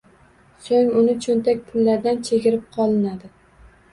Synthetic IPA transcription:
soŋʊnɪt͡ʃʰont̪ʰakʲpʰʊlːaɾd̪ant͡ʃʰeɡʲɪɾɪp̚qʰɒlˠɪnad̪ɪ

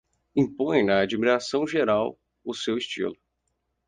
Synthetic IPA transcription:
ĩpõj̃nɐad͡ʒimiɾasɐ̃w̃ʒeɾaw | ʊsewɪst͡ʃḭlʊ

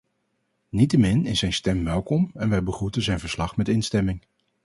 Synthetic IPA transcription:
nitəmɪnɪszɛjnstɛmʋɛlˠkɔmɛnʋɛjbəχrutənzɛjnvəɹslɑχmɛtɪnstɛmɪŋ

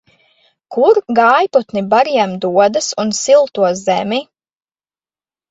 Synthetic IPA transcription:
kuɾɡaːjpɔt̪nibaɾiɛmd̪uɔd̪asunsilˠt̪uɔzzɛmi

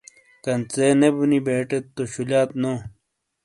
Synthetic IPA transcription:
kɐnt͡seːnebunibeːʈet̪ːoɕulaːt̪no

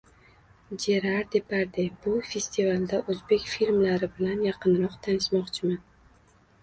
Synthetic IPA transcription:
d͡ʒe̞ɾaɾd̪e̞pʰaɾd̪ebʊfʲe̞st̪ʰivalˠd̪aʔɵzbe̞kʲfilmlaɾɪbɪlanjɑqʰɨnɾɒqt̪ʰanɪʃmɒqt͡ʃʰɪman

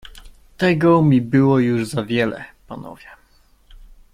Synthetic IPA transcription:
t̪ɛɡɔmʲibɘwɔjuʐzavʲjɛlɛ̰panɔ̰vʲjɛ

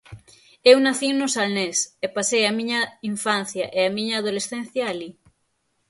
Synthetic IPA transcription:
ewnaθinʊsalnesepasejamiɲaiɱfãn̟θjaʔeamĩɲaːðolesθen̟θjaːli

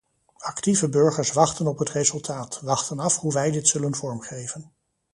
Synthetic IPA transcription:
ɑktivəbɵɹχəɹsʋɑχtənɔpɦətrezɵlˠtʰaːtʋɑχtənɑfhuʋɛjdɪtsɵlənvɔɹmχejvən

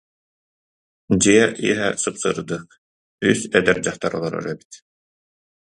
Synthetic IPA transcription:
d͡ʑiɛʔḭɛɦɛsɯpsɯɾɯd̪ɯːq | ysɛd̪ɛɾd͡ʑaχt̪aɾɔlˠɔɾɔ̰ɾœbi̥t̪

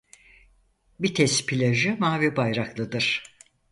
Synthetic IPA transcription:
bit̪ʰɛspʰilʲaʒɯmaːvibajɾaklˠɯd̪ɯɾ̥

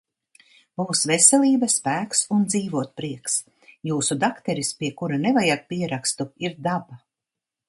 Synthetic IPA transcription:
b̥uːsvesʲɛlʲiːbaspæːksund̪ziːvuɔt̪̚pɾiɛks | juːsud̪akt̪ɛɾispiɛkuɾanevajak̚piɛɾakst̪uiɾd̪aba

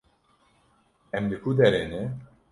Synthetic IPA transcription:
ɛmd̪ɨkʰud̪ɛɾenɛ

